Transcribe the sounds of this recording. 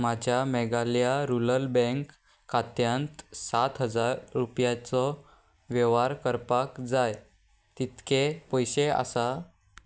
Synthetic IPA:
mad͡ʑʱjamɛɡaljaɾuləlbɛ̃ŋkː | at̪jãnt̪sat̪ɦəd͡zaɾːupjat͡sɔ | ʋjɛʋaɾkəɾpakd͡zaj | t̪it̪kʰepɔjɕea̰sa

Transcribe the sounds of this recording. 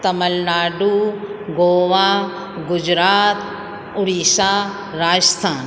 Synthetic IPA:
t̪ɐmɐlnaːɖuɡoːʋaː | ɡʊd͡ʒɾaːt̪ | ʊɽiːʃaː | ɾaːd͡ʒst̪ʰaːn

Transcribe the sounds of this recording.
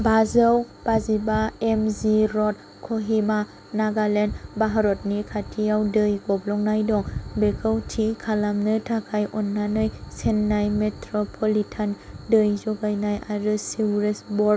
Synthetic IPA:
bazaw | b̥azibaemziɾɔt̚ | kʰoɦima | naɡalenbaɦaɾɔt̚nikʰatʰijawdɯjɡɔblɔŋnajdɔŋbekʰawtʰikʰalamnɯtʰakʰajʔɔnːanɯjsenːajmetʰɾɔpʰɔlitʰandɯjzɔɡajnajaɾɯsiwɾesbɔ

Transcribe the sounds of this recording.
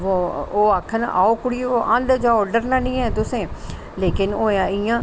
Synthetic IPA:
ʋoːoːaːkʰːən̰ʔa̰ːoːkʊɽiːoːʔə̃nd̪d͡ʒaːoːɖəɾnãːnĩːɛ̃ːt̪ʊsẽː | leːkɪnoːjaːɪjãː

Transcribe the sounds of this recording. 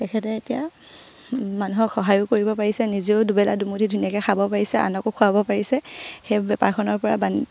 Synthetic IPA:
tɛkʰɛtɛetija | manuɦɔkxɔɦajʊkoɹibɔpaɹisɛniziʊdubɛladumudʰidʱunijakɛxʰabɔpaɹisɛa̰nɔkokʰuabɔpaɹisɛxebɛpa̰ɹkʰɔnɔɹpɔɹaban

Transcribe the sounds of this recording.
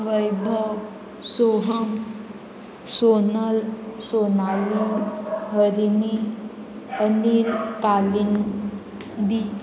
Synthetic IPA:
ʋəjbʱəw | soɦəm | sonəlsonaliɦəɾini | əniɾkalin | d̪i

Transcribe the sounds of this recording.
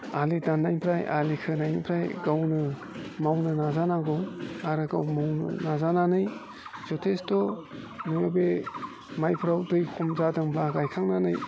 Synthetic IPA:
alidanːajnpʰɾaja̰likʰɯnajnpʰɾajɡawnɯ | mawnɯnazanaɡɯwaɾɯɡawmawnɯ̰nazananɯj | z̥ɔtʰestɔ | nɯjɔbe | majpʰɾawdɯjkʰɔmzadɯŋbaɡajkʰaŋnanɯj

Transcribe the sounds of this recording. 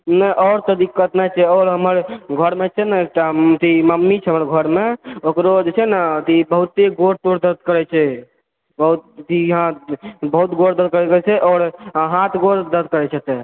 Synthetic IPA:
nəʔɔːɾt̪əd̪ikːət̪nat͡ʃʰɛɔːɾɦəməɾɡʱəɾmet͡ʃʰɛnəʈ̪at̪iməmːit͡ʃʰɛɦəməɾɡʱəɾmeokɾod͡ʒet͡ʃʰɛnət̪ibəɦut̪ːeɡoɾt̪oɾd̪əd̪̚ʱkəɾɛt͡ʃʰɛ | bəɦut̪t̪iɦãbəɦut̪ɡoɾd̪əd̪̚ʱkəɾɛɡɛt͡ʃʰɛʔɔːɾɦat̪ɡoɾd̪əd̪ʱkəɾɛt͡ʃʰɛt̪e

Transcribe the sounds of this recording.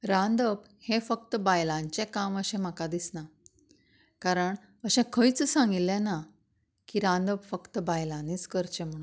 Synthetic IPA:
ɾãnd̪əb | hẽfək̚t̪əbajlãɲt͡ɕɛkaməɕɛ̃m̤akad̪isna | kaɾəɳ | əɕɛ̃kʰəjt͡ssãŋɡilːɛ̃na | kiɾãnd̪əbfəkt̪əbajlãniːt͡skəɾt͡ɕẽm̤əɽ̃u

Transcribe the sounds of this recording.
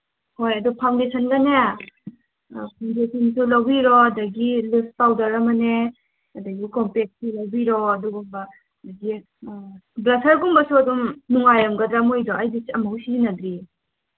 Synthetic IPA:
hojɐdupʰawndesʰɐnɡane | pʰandesinsulɐwbiɾɔɐdɐɡilift̚pawdɐɾɐmɐne | ɐdɐɡikɔmplek̚sulɐwbiɾɔɐduɡumbɐ | dɐɡi | blɐsɐɾɡumbɐsuɐdumnuŋajɐmɡɐdɾamojdɔajdisiɐmawsinɐdɾi

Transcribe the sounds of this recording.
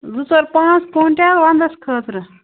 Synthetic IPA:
d͡zusəɾpãt͡skoɳʈjat̪ʋãnd̪əskʰət̪ɾə

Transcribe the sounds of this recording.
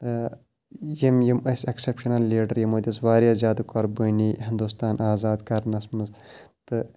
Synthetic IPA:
t̪ɨ | jimjimɐsʲɐksepʃɐnɐlːiːɖɐɾjimod̪ʲisʋaːɾjaːzʲjaːd̪ɨkɐɾbəːniːɦind̪ust̪aːnʔaːzaːd̪kɐɾnɐsmɨs | t̪ɨ

